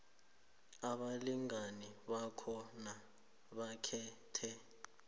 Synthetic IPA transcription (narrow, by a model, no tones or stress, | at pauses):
aɓaliŋaniɓakʰɔna | ɓakʰɛː | tʰɛ